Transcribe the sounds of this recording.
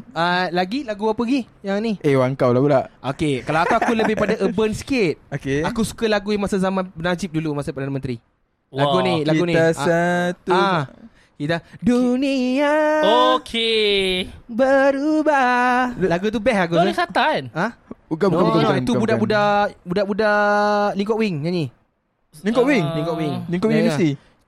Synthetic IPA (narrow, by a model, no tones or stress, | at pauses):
alaɡilaɡuapəɡi | jaŋniewaŋkawlaɡulaʔʔokekalawakuakuləbɪhpadaʔəbənsə̥kɪt̪̚okeakusu̥kəlaɡujamasazamãnnad͡ʒip̚dulumasapəɾdanəmə̃nt̪ɾi | wlaɡunĩlaɡunĩasət̪ua | kit̪aduniaokʰe | bəɾubalaɡut̪̬ubɛhak̬uuisat̪anaukabuabuait̪ubudaʔbudaʔbudaʔbudaliŋkɔʔwiŋɲaɲi | liŋkɔʔwiŋliŋkɔʔwiŋliŋkɔʔwinəst̪i